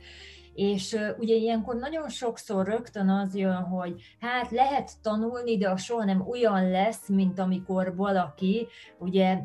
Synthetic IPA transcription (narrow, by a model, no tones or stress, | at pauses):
eːʃuɟɛijɛŋko̞rnɒɟo̞nʃo̞kso̞rːø̞kt̪ø̞nɒzjønɦo̞ɟ | haːt̪lɛɦɛt̪ːɒnulnid̪ɛɒʃoɦɒnɛmojɒnlɛsmint̪ɒmiko̞rvɒlɒkiuɟɛ